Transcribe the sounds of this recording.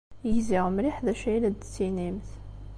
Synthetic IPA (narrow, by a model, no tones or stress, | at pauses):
jəʝziʁmɾiħðæʃæjlæd̪t͡sːinimθ